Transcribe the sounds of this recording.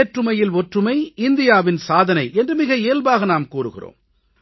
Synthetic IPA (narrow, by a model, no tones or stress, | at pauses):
eːʈrɯmɐjɪlɔʈrɯmɐɪɪnd̪ɪjaːʋɪnsaːðɐnɐɪʔɛndrɯmɪɣɐeːlbaːɣɐnaːmkuːrɯɣɪ̰ro̰ːm